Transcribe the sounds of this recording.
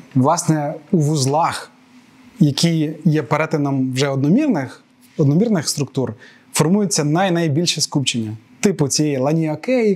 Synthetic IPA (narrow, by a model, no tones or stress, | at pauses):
ʋlˠɑsnɛuʋʊzlˠɑx | jɐkʲʰijjɛpeɾɛt̪ɪnɔmwʒɛɔd̪nɔmʲirnɪx | ɔd̪nɔmʲirnɪxst̪ɾʊkt̪ur | fɔrmujʊt͡sʲːɐnɐjnɐjbʲilʲʃɛskupt͡ʃenʲːɐt̪ɪpʊt͡sʲijɛjlˠɐnʲiɔkɛji